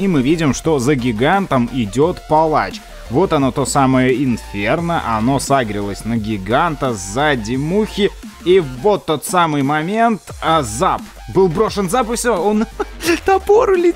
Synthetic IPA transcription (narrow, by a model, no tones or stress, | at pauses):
imɨvʲidʲɪmʂt̪o̞zəɡʲɪɡant̪əmɪdʲo̞t̪pɐlˠat͡ɕ | vo̞t̪ɐno̞t̪osaməjəɪnfʲernəʔɐno̞saɡɾʲɪlˠəsʲnəɡʲɪɡant̪əzadʲɪmuxʲɪ | ivo̞t̪ːo̞t̪samɨjmɐmʲe̞nt̪əzap | bɨlˠbɾo̞ʂɨnzapɨfsʲoont̪ɐpoɾʊlʲɪ